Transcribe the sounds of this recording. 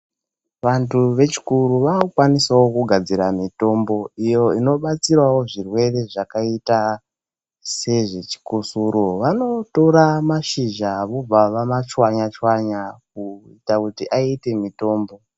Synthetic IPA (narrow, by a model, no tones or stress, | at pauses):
ʋantʰuʋe̞t͡ʃi̥kuɾuʋaokwanisawo̞kuɡʱad͡ziɾamito̞mbo̞ijo̞ino̞ɓat͡sirwawo̞ʐirwe̞re̞ʐakaita | se̞ʐet͡ʃi̥kusuɾoʋano̞to̞ɾamaʃiʒaʋob͡vaʋamat͡ʃwaɲat͡ʃwaɲak̚uitakutiʔaite̞mito̞ːmbo̞